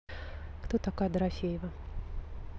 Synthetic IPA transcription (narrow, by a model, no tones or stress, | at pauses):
kt̪ot̪akad̪ɾafʲejɪvə